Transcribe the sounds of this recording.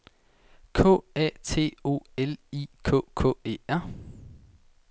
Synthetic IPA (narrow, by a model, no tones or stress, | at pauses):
kʰɔ̰ːæ̰ːt͡sʰe̝̰ːo̝̰ːelikʰɔ̰ːkʰɔ̰̽ːe̝ːæɐ̰